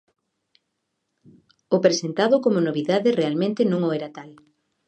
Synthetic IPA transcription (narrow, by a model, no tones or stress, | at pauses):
ʊpɾesent̪aðʊkomonoβiðaðɪrealmẽnt̪ɪnõŋoɛɾat̪al